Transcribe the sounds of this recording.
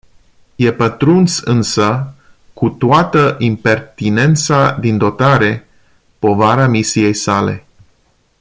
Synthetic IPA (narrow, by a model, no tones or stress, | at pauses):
je̞pət̪ɾunsɨnsə | kut̪oat̪əʔimpe̞rt̪ine̞nt̪sad̪ind̪o̞t̪aɾe̞ | po̞vaɾamisije̞jsale̞̰